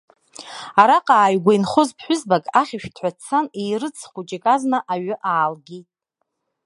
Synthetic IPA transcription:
aɾaqʼaːɥɡʷajnχozpʰħʷʊzbakʼaχʲɪʃᶣtʰħʷat͡sʰanejrɨt͡sʰχʷut͡ʃʼikʼaznaʔaɥʏʔaːlɡʲitʼ

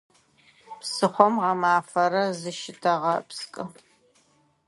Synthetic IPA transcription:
psɨχʷɔmʁɐmaːfɐɾɐzɨʃɪtʰɐʁɐpskʼɨ

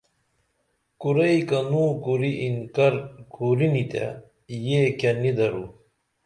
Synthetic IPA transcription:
kuɾɐikɐnũːkuɾiʔinkɐɾkuɾinit̪a̰ | jekɐnid̪ɐɾu

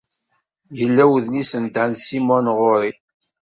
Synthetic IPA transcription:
jəlːæwðnisənd̪ansimɔnʁʊɾi

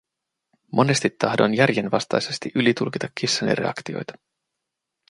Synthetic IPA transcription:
mʔo̞ne̞st̪it̪ːɑhdo̞njærjenʋɑst̪ɑjse̞st̪iʔylit̪ulk̟it̪ɑkːisːɑnḭre̞̰ɑ̰kt̪io̞̰jt̪ɑ̥

